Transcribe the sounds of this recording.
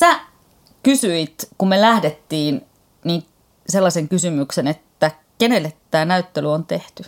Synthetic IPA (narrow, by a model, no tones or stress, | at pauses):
sæ | kysyit̪kummelæhdet̪ːiːn | niŋ | selːɑseŋkysymyksenet̪ːæ | kene̞lːet̪ːæːnæyt̪ːelyont̪e̞ht̪y